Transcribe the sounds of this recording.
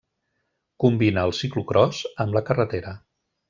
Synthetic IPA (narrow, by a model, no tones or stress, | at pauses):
kumbinəːlˠsiklukɾʔɔzəmbləkərət̪eɾə